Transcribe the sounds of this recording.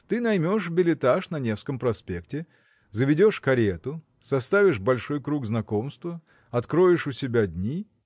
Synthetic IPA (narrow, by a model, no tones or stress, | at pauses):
t̪ɨnɐjmʲoʂbʲɪlʲɪt̪aʂnɐnʲe̞fskəmpɾɐspʲe̞ktʲɪ | zəvʲɪdʲo̞ʂkɐɾʲet̪ʊ | sɐst̪avʲɪʂbɐlʲʂo̞jkɾuɡznɐko̞mst̪və | ɐt̪kɾo̞jɪʂʊsʲɪbʲadʲnʲi